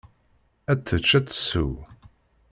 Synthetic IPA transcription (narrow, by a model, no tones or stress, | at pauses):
æt͡sːət͡ʃːæt͡sːə̥sṵ